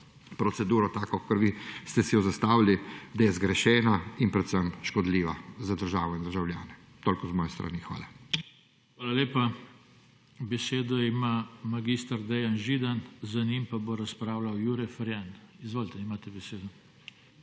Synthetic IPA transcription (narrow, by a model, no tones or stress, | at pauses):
pɾɔsɛd̪uːɾɔt̪aːkɔkɐɾʋiːst̪ɛsɛjɔzast̪aːʋilid̪ajɛzɡɾɛʃɛːnainpɾɛt̪səmʃkɔd̪liːʋazad̪əɾʒaːʋɔind̪əɾʒawlja̰ːnɛ | t̪oːlkɔzmɔːjɛst̪ɾʔa̰nixʋa̰ːla | xʋaːlaleːpa | bɛseːd̪ɔimamaɡiːst̪aɾd̪ɛjanʒid̪anzanimpaboɾaspɾaːwlawjuɾɛfɾjanizʋoːlt̪ɛimaːt̪ɛbɛseːd̪ɔ